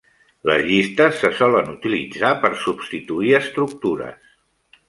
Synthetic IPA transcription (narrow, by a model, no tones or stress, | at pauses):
lə̰zʎist̪əsːəsɔlənut̪ilid͡zapəɾsupst̪it̪uiəst̪ɾuk̚t̪uɾə̰s